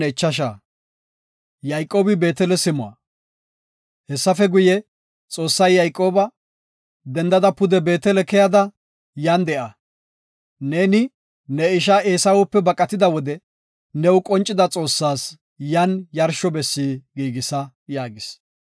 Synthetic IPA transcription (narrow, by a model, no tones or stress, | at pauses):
ɛt͡ʃːɐʃ̬aː | jɐjkʼːo̞ːbɪbe̞ːt̪ɛlɛsɪmʊɐ̰ | hɛsːɐfɛɡʊjɛ | t͡sʼo̞ːsːɐjːɐjkʼːo̞ːbɐ | d̪ɛnd̪ɐd̪ɐpʊd̪ɛbe̞ːt̪ɛlɛkɛjɐd̪ɐ | jɐnd̪ɛʔɐ | ne̞ːnɪ | nɛɪʃ̬aːʔeːsɐwʊpːɛbɐkʼːɐt̪ɪd̪ɐwɔd̪ɛ | nɛwʊkʼɔnt͡ʃʼːɪd̪ɐt͡sʼo̞ːsːaːs | jɐnjɐɾʃɔbɛsːiːɡiːɡɪsɐ | jaːɡɪs